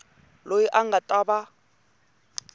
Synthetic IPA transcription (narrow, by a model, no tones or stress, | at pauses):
lojiʔaŋ̩ɡatʼaba